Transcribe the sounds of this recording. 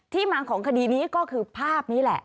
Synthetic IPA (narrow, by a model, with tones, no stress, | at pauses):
t̪ʰiː˥˩maː˧kʰɔː˩˦ŋkʰa˧diː˧niː˦˥kɔː˥˩kʰɯː˧pʰaː˥˩p̚niː˦˥lɛ˨˩ʔ